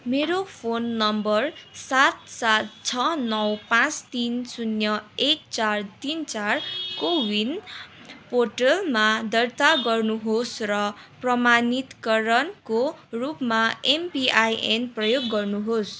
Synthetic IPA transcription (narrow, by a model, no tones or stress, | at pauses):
meɾopʰonːʌmbʌrsat̪̚sat̪̚t͡sʰʌnʌwpãt͡st̪insunjʌekt͡sart̪int͡sarkowin | porʈʌlmad̪ʌrt̪aɡʌrnuɦosrʌprʌmanit̪kʌɾʌnkorupmaempiajenprʌjoɡːʌrnuɦos